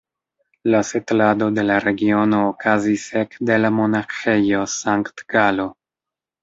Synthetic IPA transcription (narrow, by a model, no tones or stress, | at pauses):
lasetlado̞de̞laɾe̞ɡio̞no̞ːkʰazisekde̞lamo̞naxe̞jo̞saŋktɡalo̞